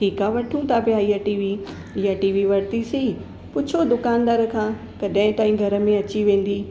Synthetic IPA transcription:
ʈʰiːkaːʋɐʈʰũt̪ʰapjaːiaʈiːʋi | ɪjaʈiːʋiʋɐɽt̪isii | pʊt͡ɕʰod̪ʊkaːnd̪aːɾəkʰãː | kɐɗɦɪ̃t̪aːɦĩɡʱɐɾə̆mẽɐt͡ɕiʋẽːn̆d̪i

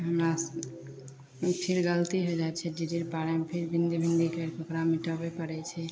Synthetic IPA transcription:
ɦəmɾa | pʰiɾɡələt̪iɦod͡ʒaɛt͡ʃʰɛɖid͡ʒiɾpaɾɛmpʰiɾbʱĩnd̪ibʱind̪ikəɾkokɾamiʈəbepəɾɛt͡ʃʰɛ

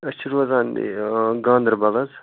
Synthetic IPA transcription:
ɐst͡ʃʰiɾuɐzaːn̰ | ɡãːnd̪ɾbɐlɐz

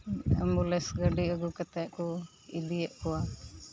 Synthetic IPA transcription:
əmulɛsɡəɖiəɡukət̪ɛʔkɔ | ḭd̪ijɛʔkɔwa

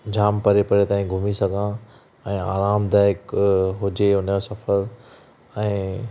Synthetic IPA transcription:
d͡ʑʱaːmpɐɾepɐɾet̪aːĩɡʱʊmisɐɡʱã | ɛ̃ːa̰ːɾaːmd̪aːjɪkɦʊd͡ʑeʊnjosɐfəɾ | ɛ̃ː

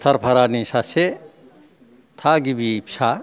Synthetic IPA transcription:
t̪ʰɐɾpʰɐɾanisase | t̪ʰaɡibipt͡ʃʰa

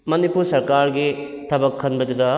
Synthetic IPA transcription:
mɐnipuɾsɐɾkaɾɡi | t̪ʰɐbɐkʰːɐnbɐd̪ɐd̪ɐ

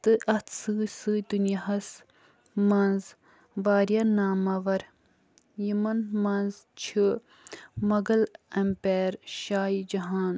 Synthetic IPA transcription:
t̪ɨʔɐt̪ʰsɨsɨd̪unjɐɐs | mɐnz | ʋaːɾjanaːmɐʋɐɾ | jimɐnmɐnzt͡ʃʰi | mɐɡɐlɐmpeːɾʃaːid͡ʒɐɦaːn

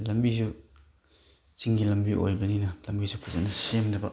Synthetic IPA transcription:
lɐmbizu | t͡ʃiŋɡilɐmbiʔo̰jbɐninɐlɐmbisupʰuzanɐsemdɐbɐ

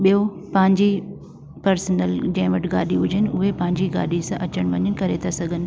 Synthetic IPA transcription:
ɓijopɐ̃ɦɪ̃ɲd͡ʑi | pɐɾsənəld͡ʑɐ̃ɦɪ̃ʋɐʈɪɡa̰ːɗiɦʊd͡ʑʱənɪʊɦepɐ̃ɦɪ̃ɲd͡ʑiɡa̰ːɗisãʔɐt͡ɕəɽ̃ʋɐɲənɪ̆kɐɾet̪ʰasɐɡʱənɪ̆

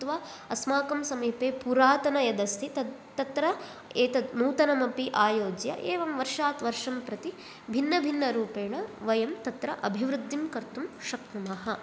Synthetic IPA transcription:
t̪ʋaː | ɐsmaːkɐmsɐmiːpeːpuɾaːt̪ɐnɐjɐd̪ɐst̪ʰit̪ɐt̪ɾɐ | eːt̪ɐmuːt̪ɐnɐmɐpiʔaːjoːd͡ʒjɐ̰ʔeːʋɐmʋɐɾʂaːt̪ʋɐɾʂɐmpɾɐt̪i | bʱinːɐbʱinːɐɾuːpeːɳɐʋɐjɐmt̪ɐt̪ɾɐʔɐbʱiʋɾud̪ʱːimkɐɾt̪umʃɐkt̪umɐɦɐ

